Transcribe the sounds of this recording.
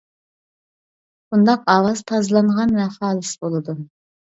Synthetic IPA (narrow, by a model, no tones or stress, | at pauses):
b̥und̪ɑqɑwɑzt̪ʰɑzlˠɑɴʁɑnvɛχɑːlˠɨsbolˠɨd̪u